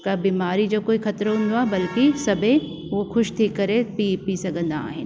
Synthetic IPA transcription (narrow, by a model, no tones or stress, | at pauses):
kabiːmaːɾid͡ʑoːkoːixʰɐt̪ɾɦʊ̃nd̪oaːɦebɐlkisɐbʱẽ | ʋoxʊʃt̪ʰiːkːɐɾepipisɐɡə̃nd̪aa̰ːɦɪnɪ